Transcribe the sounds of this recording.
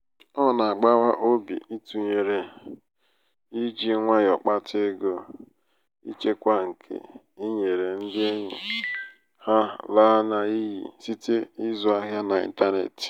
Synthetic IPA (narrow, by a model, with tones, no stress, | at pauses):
ɔ˦na˨a˨ɡ͡ba˦wa˦ʔo˦bḭ˨i˦tu˨ɲe˨ɾe˨ | i˦d͡ʒi˦ŋʷa˦jɔ˨k͡pa˦tʰe˦ɡo˦ | ḭ˦t͡ʃe˦kʷa˦ŋ̩˨kʰḛ˨ | i˦ɲe˨ɾe˨n̩˦dɪ˦e˦ɲḭ˨ | ha˦la˦na˦i˦ɦḭ˨si˦te˦i˦zɔ˦a˦ɦja˦na˨ḭ˦n˦ta˦nḛ˨t